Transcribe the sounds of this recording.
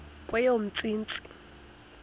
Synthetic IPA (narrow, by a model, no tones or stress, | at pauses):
kʼwɛjom̩t͡sʼiːnt͡sʼi̥